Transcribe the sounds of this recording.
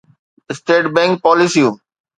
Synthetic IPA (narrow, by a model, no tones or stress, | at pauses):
ɪsʈeːʈbɛ̃ŋk̚pɔːlisiũm